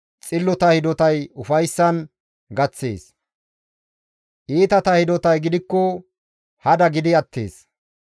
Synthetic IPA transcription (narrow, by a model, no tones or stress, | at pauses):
t͡sʼɪlːɔt̪ɐhɪd̪ɔt̪ɐjʊfɐjsːɐn | ɡɐt͡sːḛːs | ʔiːt̪ɐt̪ɐhɪd̪ɔt̪ɐjɡɪd̪ɪkːɔ | hɐd̪ɐɡɪd̪ɪɐt̪ːḛːs